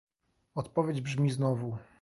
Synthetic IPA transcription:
ɔt̪pɔvʲjed͡ʑbʐmʲiznɔvu

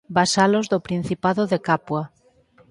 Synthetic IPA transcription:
basalozðopɾin̟θipaðoðekapwa

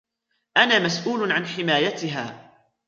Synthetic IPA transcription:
ʔanaːmasʔuːlʊʕanħɪmaːjat̪ɪɦaː

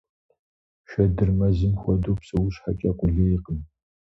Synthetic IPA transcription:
ʃɐdɨrmɐzɨmxʷɔdoːpsɨwʊɕħakʼɐqʷʼʊɮɐiqən

